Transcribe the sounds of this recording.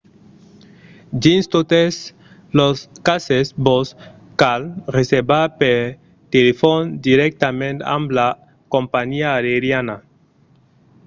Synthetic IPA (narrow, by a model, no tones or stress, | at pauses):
d͡ʒinst̪ot̪es | loskasesbos | kalreseɾbape | t̪elefond̪iɾek̚t̪amẽnt̪ã̰mbla | kõmpaɲiaːɾeɾjana